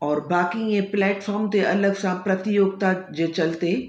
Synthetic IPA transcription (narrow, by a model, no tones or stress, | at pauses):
ɔːɾbaːkijeplɛːʈfɔːɾmt̪eʔɐləɡsãpɾɐt̪ɪjoːɡ̚t̪ad͡ʒet͡ʃɐlt̪e